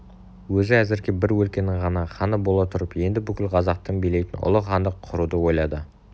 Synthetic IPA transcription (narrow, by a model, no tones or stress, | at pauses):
wɵzɪæzɪɾɡʲebɪɾwɵlkʲe̞nɪŋʁɑnɑχɑnəbo̞lˠɑt̪ʰʊɾəpje̞nd̪ɪbʏkʲɪlqʰɑzɑq̚t̪ənbejle̞jt̪ɪnʔʊ̰lˠəqɑnd̪əqʰːʊɾud̪əwo̞jlˠɑd̪ə